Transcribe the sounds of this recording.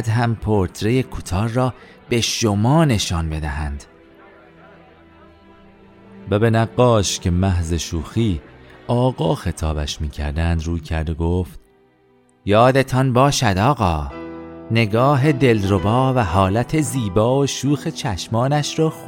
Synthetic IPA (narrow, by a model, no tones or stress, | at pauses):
d̪ɦæmpʰoɾt̪ʰɾe̞je̞kʰut̪ʰɒːɾːɒː | b̥e̞ʃomɒːne̞ʃɒːnbe̞d̪æhænd̪̥ | væbe̞næɡːɒːʃcʰe̞mæɦze̞ʃuːxiːʔɒːɡɒːxe̞t̪ʰɒːbæ̰ʃmiːcʰæ̰ɾd̪ænd̪ruːjcʰæɾd̪eɡoːft̪ | jɒːd̪e̞t̪ʰɒnbɒːʃæd̪ɒːɣɒː | ne̞ɡɒːɦe̞d̪e̞lɾo̞bɒːvæhɒːlæt̪ʰe̞ziːbɒːoʃuːxet͡ʃʰæʃmɒːnæʃɾɒːx